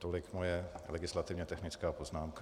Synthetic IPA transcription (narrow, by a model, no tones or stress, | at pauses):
t̪olɪkmojɛlɛɡɪslat̪ɪvɲɛt̪ɛxnɪt͡skaːpo̞znaːmka